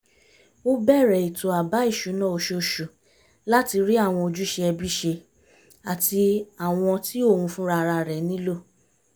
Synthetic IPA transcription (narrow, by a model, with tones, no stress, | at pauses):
o˦bɛ˦˨ɾɛ˨i˨to˨a˨ba˨˦i˦˨ʃu˨˦nã˦˨o˧˦ʃo˧ʃu˨ | la˦ti˧ɾi˦a˦˨w̃ɔ̃˧o˧d͡ʒu˦ʃe˧ɛ˧bi˦ʃe˧ | a˨ti˧a˨w̃ɔ̃˧ti˦o˦˨hũ˧fũ˦ɾa˧ɾa˧ɾɛ˨˦nĩ˦lo˦˨